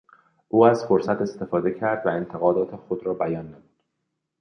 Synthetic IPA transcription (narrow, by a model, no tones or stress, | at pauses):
ʔuːæzfoɾsæt̪e̞st̪e̞fɒːd̪e̞cʰæɾd̪væent̪ʰeɣɒːd̪ɒːt̪ʰexod̪ɾɒːbæjɒːnːæmud̪̥